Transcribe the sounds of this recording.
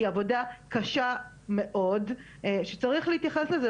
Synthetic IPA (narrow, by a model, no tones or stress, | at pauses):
iavo̞dakaʃa | me̞ʔo̞d | eʃet͡saʁiχleit̪jaχesleze